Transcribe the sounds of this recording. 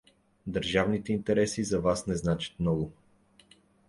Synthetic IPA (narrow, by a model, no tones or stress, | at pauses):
d̪əɾʒavnit̪ɛint̪ɛɾɛsizɐvasnɛznat͡ʃə̥t̪mnɔɡʊ